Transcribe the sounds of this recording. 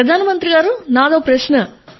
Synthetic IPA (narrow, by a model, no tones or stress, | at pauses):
pɾɐd̪ʱaːnɐmɐnt̪ɾiɡaːɾunaːd̪ɐːpɾɐʃnɐ